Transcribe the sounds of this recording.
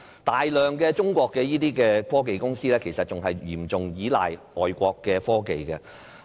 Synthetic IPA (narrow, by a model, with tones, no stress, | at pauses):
t̪aː˨jlœː˨˩ŋkɛː˧t͡ʃʊ˥ŋkʷɔː˧kːɛː˧jiː˥t̪iː˥kɛː˧fɔː˥k̬e˨jkʊ˥ŋsiː˥lɛː˥kʰe˨˩jsɐ˨t̚t͡ʃʊ˨ŋɦɐ˨jjiː˨˩mt͡sʊ˨ŋjiː˨˥la̰ː˨˩jʔɔː˨jkʷɔː˧kːɛː˧fɔː˥ke˨jkɛ˧